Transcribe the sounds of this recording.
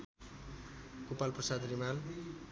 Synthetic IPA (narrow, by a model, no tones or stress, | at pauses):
kupalprʌsad̪rimal